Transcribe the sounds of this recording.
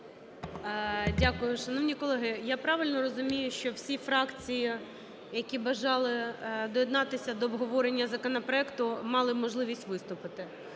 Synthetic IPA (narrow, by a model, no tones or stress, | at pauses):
dʲakʊjʊʃɐnɔʋnʲikɔlˠɛɦɪjapɾɑʋɪlʲnɔɾɔzʊmʲijʊʃt͡ʃɔwsʲifɾɑkt͡sʲiji | jɐkʲibɐʒɑlˠɪd̪ɔjɛd̪nɑt̪ɪsʲɐd̪ɔːbɦɔʋɔɾenʲːɐzɐkɔnɐpɾɔɛkt̪ʊmɑlˠɪmɔʒlˠɪʋʲisʲtʲʋɪst̪ʊpɪt̪ɪ